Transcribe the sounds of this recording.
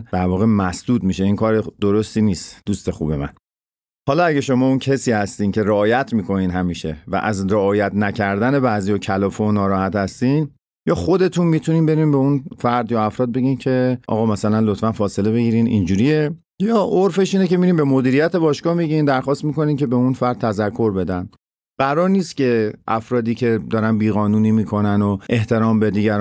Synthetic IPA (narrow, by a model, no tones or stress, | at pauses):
d̥̪æɾvɒːɣe̞mæsd̪̥uːd̪miʃe̞iːnkʰɒːɾed̪̥oɾo̞st̪iːniːst̪d̪ust̪e̞xṵːbe̞mæ̰n | hɒːlɒæɟeʃo̞mɒːuncʰesiːhæst̪iːncʰe̞ɾeɒːjæt̪ʰmiːkʰo̞niːnɦæmiːʃe̞̰væ̰ʔæzɾeɒːjæt̪ʰnæcʰæɾd̪æne̞bæzijɒːcʰælɒːfonɒːɾɒːhæt̪hæst̪iːn | jɒːxod̪e̞t̪ʰunmiːt̪ʰuniːmbe̞ɾiːnbe̞unfæɾd̪jɒæfɾɒːd̪̚be̞ɟiːncʰe̞ʔɒ̰ɣɒːmæsælænlot̪fænfɒːse̞le̞βe̞ɡiːɾiːnḭnd͡ʒuːɾije̞ | jɒːʔoɾfe̞ʃiːnece̞miːɾiːmbe̞mo̞d̪iːɾijæt̪ʰe̞bɒːʃkɒːhmiɟind̪æɾxɒːst̪miːko̞niːnce̞be̞unfæɾd̪̚t̪ʰæzækʰːo̞ɾbe̞d̪æn | ɢæɾɒːɾniːst̪cʰe̞ʔæfɾɒːd̪iːcʰe̞d̪ɒːɾænbiːɣɒːnuːniːmiːkʰo̞nænoʔe̞ht̪ʰe̞ɾɒːmbed̪iːɟæɾ